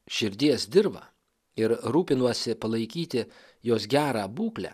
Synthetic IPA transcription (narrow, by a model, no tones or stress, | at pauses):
ʃʲɪɾʲd̪ʲiɛsd̪ʲɪɾbɐ̰ | ɪɾɾuːpʲɪnuɔsʲɪpɐlˠɐɪkʲiːt̪ʲɪ | joːsɡʲæːɾɑːbuːklʲæ̰ː